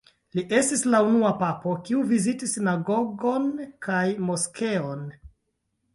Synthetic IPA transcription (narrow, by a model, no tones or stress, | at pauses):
liʔe̞stislaunuapapo̞kiuvizitisːinaɡo̞ɡo̞nkajmoskʰe̞on